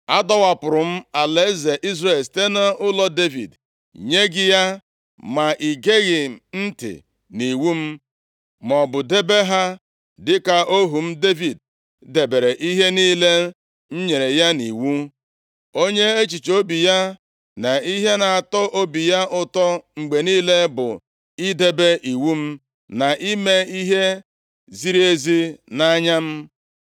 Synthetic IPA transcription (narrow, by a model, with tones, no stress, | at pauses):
a˦dɔ˦wa˨pʊ˨ɾʊ˨m̩˦a˨le˨˦ze˨ʔi˦zre˨lste˦na˦ʊ˦lɔ˦de˦vḭ˨d | ɲe˦ɡɪ˦ja˦ | ma˨ʔi˨ɡe˦ɣɪ˨n̩˦tɪ̰˨ | ni˨wu˦m̩˦ | m˨ɔ˨bʊ˨de˦be˦ɦa˦ | dɪ˦ka˨ʔo˦ɦu˨m̩˦de˦vi˨d̚ | de˨be˨ɾe˨ʔi˦ɦe˦niː˦le˦ | n̩˦ɲe˨ɾe˨ja˦nḭ˨wu˦ | o˦ɲe˦e˦t͡ʃi˨t͡ʃo˦bi˨ja˦ | na˨i˦ɦe˦na˨a˨tɔ˦ʔo˦bi˨ja˦ʔʊ˦tɔ˦ŋ͡m̩˨ɡ͡be˨niː˦le˦bʊ̰˨ | i˦de˦be˦ʔi˨wu˦m̩˦ | na˨ʔi˦me˦i˦ɦe˦ | zi˦ɾi˦e˦zi˦na˦ɲa˦m̩˦